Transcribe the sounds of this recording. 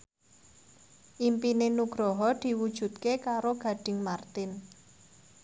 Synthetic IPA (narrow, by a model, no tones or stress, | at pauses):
ʔimpinenuɡ̥ɾɔɦɔd̪̥i̤wud̥ʒ̥ṳt̪̚kekaɾoɡ̥ä̤ɖ̥ɪ̤ŋmart̪ɪn